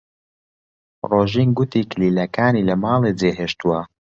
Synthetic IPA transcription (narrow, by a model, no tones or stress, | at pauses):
roːʒinɡʊt̪iːkliːlɐkaːniːlɐmɑːlˠed͡zeɦeːʃt̪uwɐ